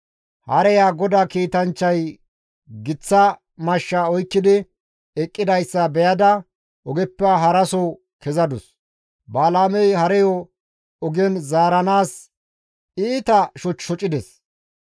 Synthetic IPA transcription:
hɐɾɛjaːɡɔd̪aːkiːt̪ɐnt͡ʃːɐj | ɡɪt͡sːɐ | mɐʃːaɔjkːɪd̪ɪ | ɛkʼːɪd̪ɐjsːɐbɛjɐd̪ɐ | ʔɔɡɛpːɛɦɐɾɐso | kɛzɐd̪ʊs | baːlaːmɛjhɐɾɛjɔ | ɔɡɛnzaːɾɐnaːs | iːt̪ɐʃɔt͡ʃːɔt͡ʃʼːɪd̪ɛs

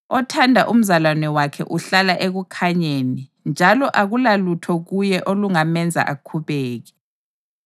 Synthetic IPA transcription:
ɔtʰandʱa̰ʔum̩zalwanɛwakʰɛ̰ʔuɬalaʔeɣukʰaɲeːnind͡ʒʱalɔʔaɣulalutʰɔɣujɛʔoluŋamɛnd͡zʱa̰ʔakʰuβɛːɣɛ̥

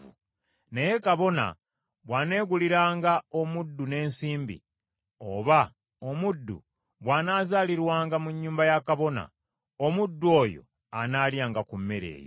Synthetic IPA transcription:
neje̞kaβo̞na̰ | βwaːne̞ːɡuliɾaːŋɡao̞mudːune̞ːnsiːmbḭ | o̞̰βa | omudːṵ | βwaːnaːzaːliɾwaːŋɡamuɲːuːmbajakaβo̞na̰ | omudːuo̞ːjo̞̰ | anaːljaːŋɡakumːeɾe̞̰ːjo

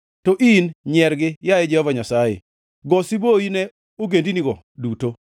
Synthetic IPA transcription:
tɔʔinɲɛɾɡɪjajɛd͡ʒɛhɔvaɲasajḛ | ɡɔsiboinɛ | oɡendiniɡɔ | duto

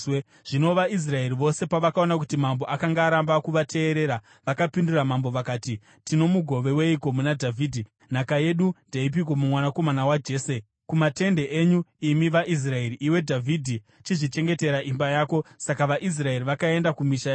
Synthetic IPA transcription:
ʐ̥ino̞ʋais̬rae̞ɾiʋo̞se̞paʋakao̞nak̬utimambo̞ʔakaŋɡaːɾambakuʋatʰe̞ːɾe̞ɾa | ʋakapinduɾamambo̞ʋakaːti | tino̞muɡʱo̞ʋe̞we̞iko̞munadʱavʱiːdʱi | nakaje̞ɗundaip̬ik̬o̞mumwanako̞manawad͡ʒe̞ːse | kumate̞nde̞ʔeːɲuimiʋaʔis̬rae̞ɾiʔiwe̞dʱavʱidʱi | t͡ʃiʐit͡ʃe̞ŋɡe̞te̞ɾaʔimbajaːko̞sakaʋaʔis̬rae̞riʋakae̞ndakumiʃaa

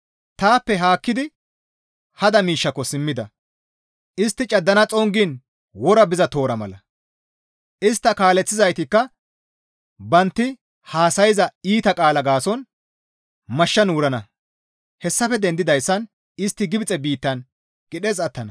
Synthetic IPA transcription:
t̪aːpːɛɦaːkːɪd̪ɪ | hɐd̪ɐmiːʃːɐkːɔsɪmːɪd̪ɐ | ʔɪst̪ːɪt͡ʃʼɐd̪ːɐnɐt͡sʼɔŋɡin | wɔɾɐbɪzɐt̪o̞ːɾɐmɐ̰lɐ | ʔɪst̪ːɐkaːlɛt͡sːɪzɐjt̪ɪkːɐ | bɐnt̪ːɪ | haːsɐjɪzɐiːt̪ɐkʼaːlɐɡaːsɔn | mɐʃːɐnuːɾɐnɐ | hɛsːɐfɛd̪ɛnd̪ɪd̪ɐjsːɐn | ɪst̪ːɪɡɪbɪt͡sʼɛbiːt̪ːɐn | ɡ̥ɪɗɛzɐt̪ːɐnɐ

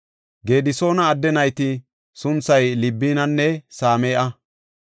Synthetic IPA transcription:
ɡe̞ːd̪ɪso̞ːnɐːd̪ːɛnɐjt̪ɪ | sʊnt͡sːɐjlɪbːiːnɐnːɛsaːmɛːʔɐ

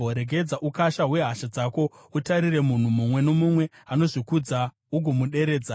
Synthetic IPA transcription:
oɾeɡʱe̞d͡zaʔukaʃaɦwe̞ɦaʃad͡zaːko̞ | utaɾire̞mun̤umumwe̞no̞mumwe̞ | ano̞ʐikud͡za | uɡʱomuɗe̞ɾe̞ːd͡za

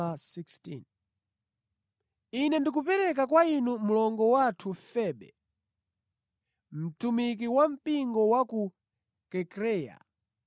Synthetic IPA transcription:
asikstḭn | inɛndik̬upɛɾɛk̬akwainum̩lɔŋɡɔwatʰufɛːɓɛ̰ | m̩tumik̬iwam̩piŋɡɔwaku | kɛkɾɛːja̰

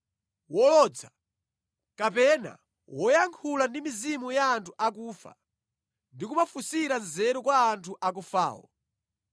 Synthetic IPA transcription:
wɔlɔd͡za | kapɛna̰ | wɔjaŋkʰulandimizimujaːntʰuʔak̬uːfa̰ | ndikumafusiɾanzɛɾɔkwaːntʰuʔak̬ufa̰ːwɔ̰

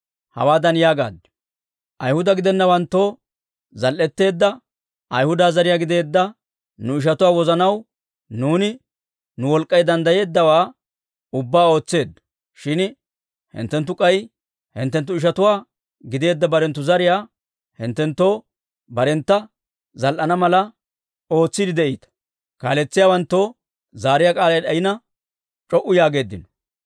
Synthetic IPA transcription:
hɐ̰waːd̪ɐnjaːɡa̰ːd̪ | ʔɐjhʊd̪ɐɡɪd̪ɛnːɐwɐnt̪ːo̞ː | zɐlʔːɛt̪ːe̞ːd̪ːɐ | ʔɐjhʊd̪aːzɐɾɪjaːɡɪd̪e̞ːd̪ːɐ | nʊɪʃ̬ɐt̪ʊwaːwɔzɐnɐw | nuːnɪ | nʊwɔlkʼːɐjd̪ɐnd̪ɐje̞ːd̪ːɐwaː | ʊbːaːo̞ːt͡sːe̞ːd̪ɐ | ʃɪn | hɪ̰nt̪ːɛnt̪ːʊkʼɐj | hɪ̰nt̪ːɛnt̪̬ːʊɪʃ̬ɐt̪ʊwaː | ɡɪd̪e̞ːd̪ːɐbɐɾɛnt̪ːʊzɐɾɪjaː | hɪ̰nt̪ːɛnt̪ːo̞ː | bɐɾɛnt̪ːɐ | zɐlʔɐnɐmɐlɐ | o̞ːt͡sːɪd̪ɪd̪ɛʔiːt̪ɐ̥ | kaːlɛt͡sːɪjaːwɐnt̪ːoː | zaːɾɪjakʼaːlɐjɗɐjɪnɐ | t͡ʃʼɔʔːʊjaːɡe̞ːd̪ːɪnɔ̥

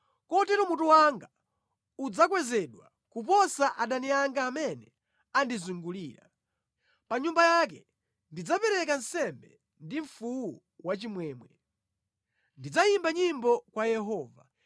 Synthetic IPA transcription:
kɔtɛɾɔmutuwaŋɡa | ud͡zak̬wɛzɛɗwa | kup̬ɔsaʔaɗaniaŋɡaːmɛnɛ | andizuŋɡuliːɾa̰ | paɲumbajak̬ɛ | ndid͡zapɛɾɛkan̩sɛmbɛ | ndiɱ̩fuwu | wat͡ʃimwɛːmwɛ | ndid͡zajimbaɲimbɔkwajɛɦɔːva

